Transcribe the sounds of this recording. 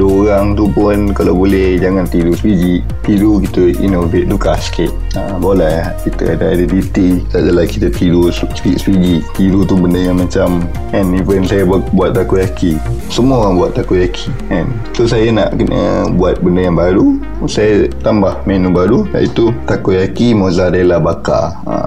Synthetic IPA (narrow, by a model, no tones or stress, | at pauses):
doɾaŋt̪upʊnkala̰wbolɛhd͡ʒaŋãnt̪iɾuspid͡ʒiʔ | t̪iɾuk̬it̪əḭnoveʔ̚t̪ukaskɛt̪̚ | a | bolaakit̪ə̰a̰daa̰dədit̪iadalahkit̪at̪iɾusspiʔsəpid͡ʒiʔt̪iɾut̪ubəndəjaŋmãt͡ʃam | ɛnivənsajabuat̪̚ːakuʔjakʰisəmuaaŋbuat̪̚ːakojakʰi̥ | ɛn | sosajana̰ʔkənʔə̰buat̪̚bəndəjaŋbaɾu | sajət̪ambahmenũbaɾuda̰ʔit̪ut̪akoʔjakimozadalabaka̰ | a̰